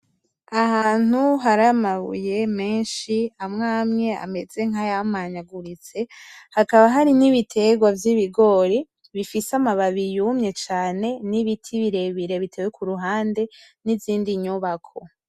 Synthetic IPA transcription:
ahaːn̥uɦaɾamaβṵje̞me̞ːnʃiamŋaːmɲe̞a̰me̞z̥e̞ŋajammaɲaɡuɾit͡se̞hakaβaɦaɾiniβitʰe̞ɡwavjiβiɡo̞ːɾi | βifisamaβaβijumɲe̞t͡ʃaːne̞niβitʰiβiɾe̞βiɾeβitʰe̞wekuɾuɦaːnde̞ | nivziːndiɲuβakʰo

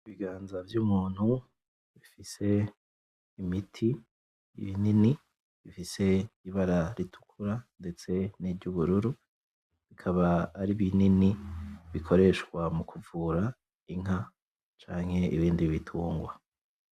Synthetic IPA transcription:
iβiɡaːnzavjuːmuːn̥hu | βifise̞ː | mitʰi | ḭβinini | βifise̞iβaɾaɾitʰu̥kʰuɾande̞t͡se̞niɾɟuβuɾuɾu | βikʰaβaːɾiβininiβikʰo̞ɾe̞ʃkwamukʰuvuɾa | iŋ̥ɦa | t͡ʃaːŋhe̞ḭβiːndiβitʰuːŋɡwa

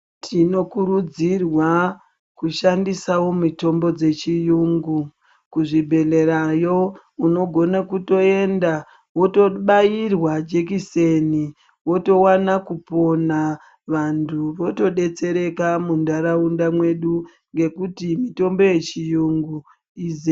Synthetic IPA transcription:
tʰino̞kuɾud͡zirwa | kuʃandisawo̞mito̞mbo̞d͡ze̞t͡ʃijuːŋɡu | kuʐibʱe̞le̞ɾajo̞ | uno̞ɡʱo̞nakuto̞e̞nda | woto̞ɓairwad͡ʒek̬iseni | wo̞to̞wanakupo̞na | ʋantʰuʋo̞to̞ɗe̞t͡se̞ɾe̞kamundaɾaundamwe̞ɗu | ŋɡe̞kutimito̞mbo̞je̞t͡ʃijuŋɡu | iz

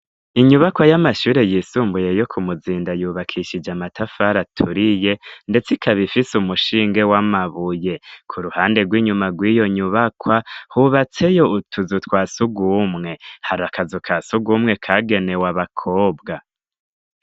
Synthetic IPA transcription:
iɲuβakwajamaʃuːɾe̞jiːsuːmbuje̞jo̞kʰumuziːndajuːβakʰiʃid͡ʒamatafaɾatʰuɾije̞nde̞t͡sikʰaβifisumuʃiːŋɡe̞wamaβuje̞kʰuɾuhaːnde̞ɡwiːɲumaɡwiːjo̞ɲuβakʰwahuβat͡se̞jo̞utʰuzutwaːsuɡuːmŋe̞haɾakazukʰaːsuɡuːmŋe̞kʰaɡe̞ne̞waβakʰo̞ːbɡa

